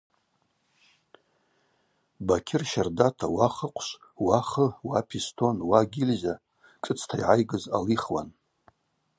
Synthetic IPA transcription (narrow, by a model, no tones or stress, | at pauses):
bakʲʰɪrʃardatʰawaχəqʷʰʃʷ | waχəwapʰistʰo̞nwaɡʲilʲza | t͡ʃʼɨt͡sʰtʰajʕajɡɨza̰liχwa̰n